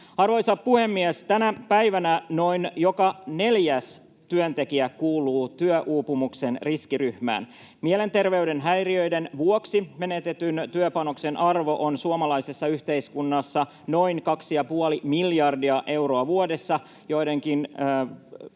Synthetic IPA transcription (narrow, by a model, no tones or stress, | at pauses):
ɑrʋo̞jsɑppuhe̞mːiɛst̪ænæpæiʋænæno̞injo̞kɑne̞ljæs | t̪yønt̪e̞kiækuːluːt̪yøʔuːpumukse̞nriskiryhmæ̰ːn | miele̞nt̪e̞rʋeyde̞nɦæjriøjdenʋuoksime̞net̪e̞t̪ynt̪yøpɑno̞kse̞nʔɑrʋo̞ʔonsuomɑlɑisesːɑyht̪e̞iskunːɑsːɑ | no̞inkɑksijɑpuolimiljɑrdiɑʔe̞wro̞ɑʋuode̞sːɑ | jo̞ide̞ŋkinː